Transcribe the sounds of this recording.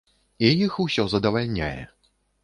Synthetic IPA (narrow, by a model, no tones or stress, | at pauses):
ijixusʲɔzɐd̪ɐvalʲnʲa̰jɛ̰